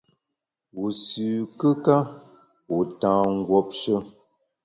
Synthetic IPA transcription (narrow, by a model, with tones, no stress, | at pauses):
wu˨sʉ˨kə˦ka˦ | wu˨tãː˨ŋ̩˦ɡwɔ˦p̚ʃə˦